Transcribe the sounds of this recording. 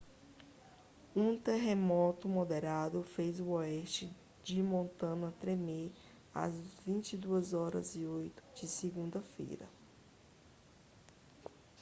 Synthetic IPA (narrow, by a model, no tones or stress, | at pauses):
ũt̪eɦemɔt̪ʊmod̪eɾad̪ʊfejzʊɔɛʃt͡ʃɪ | d͡ʒɪmõnt̪ɐ̃nɐt̪ɾeme | ɐ̰zvĩt͡ʃid̪uɐzɔɾɐ̰ziojt̪ʊ̥d͡ʒɪsɪɡũd̪ɐfḛjɾɐ̰